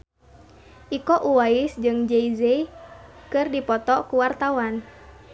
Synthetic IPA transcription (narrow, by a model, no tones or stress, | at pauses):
ʔikɔʔuwaisd͡ʒɨŋd͡ʒeize | kɨrdipɔt̪ɔkuwart̪awan